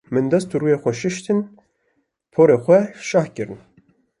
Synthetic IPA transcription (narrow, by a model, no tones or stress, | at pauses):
mɨnd̪ɛst̪uɾuːjexʷɛʃɪʃt̪ɨn | pʰoːɾeːxʷɛʃɑːhcɨɾɨn